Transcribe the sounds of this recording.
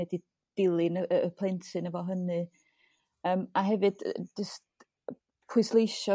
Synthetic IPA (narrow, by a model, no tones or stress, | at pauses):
ɛdi | d̥ɪlˠɪnəəəpʰl̥ˠɛntʰɨnəvɔɦənɨ | əːmaɦɛvɨd̥d͡ʒəst | pʰʊɨslˠejʃɔ